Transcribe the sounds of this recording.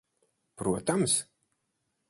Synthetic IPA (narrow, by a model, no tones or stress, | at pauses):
pɾuɔt̪ams